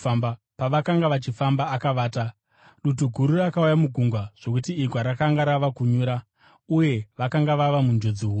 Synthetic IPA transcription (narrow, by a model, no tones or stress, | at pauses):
amba | paʋakaŋɡaʋat͡ʃifambaːkaʋaːta | ɗut̬uɡʱuɾurakaujamuɡʱuŋɡwaʐ̥o̞k̬utiːɡʱwaɾakaŋɡaɾaʋakuɲuːɾa | uje̞ʋakaŋɡaʋaʋamund͡ʒo̞d͡ziɦuː